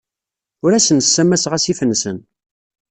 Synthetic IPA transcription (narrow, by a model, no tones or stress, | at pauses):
ʊɾæsənəsːæmːæsʁæsifənːsən